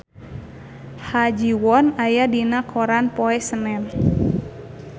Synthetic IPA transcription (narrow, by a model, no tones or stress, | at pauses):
had͡ʒiwɔnajadinakʰɔɾanpɔɛsənɛn